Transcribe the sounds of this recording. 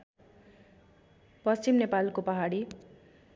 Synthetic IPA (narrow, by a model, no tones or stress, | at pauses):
pʌst͡ɕimnepalkopʌɦaɽi